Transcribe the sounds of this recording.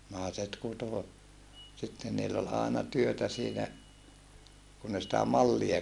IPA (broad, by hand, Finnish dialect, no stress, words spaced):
nɑˑeset kuto sitːen niːlː ol ɑˑenɑ tyøtæ siːnæ kun ne sitæ mɑlːie